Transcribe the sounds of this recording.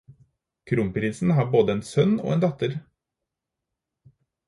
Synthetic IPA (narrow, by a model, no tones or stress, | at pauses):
kʰɾuːmpɾiːsn̩hɑːboːd̪əeːnsœno̰ːeːnd̪ɑt̪əɾ